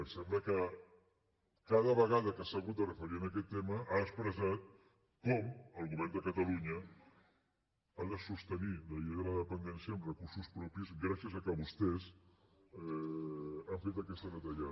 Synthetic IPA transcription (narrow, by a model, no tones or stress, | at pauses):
əsɛmbləkə | kaðəβəɣaðəkəsaɣut̪̚ərəfəɾiənəkɛt̪ːeməʔaəkspɾəzat̪̚ | kɔməlˠɣuβɛrnd̪əkət̪əluɲə | aðəsust̪əniləʎiɣələðəðəpənd̪ɛnsjəːmrəkuɾsuspɾɔpizɣɾasiəzəkəβust̪ɛz | ɛ | aɱfet̪əkɛst̪əðət̪əʎa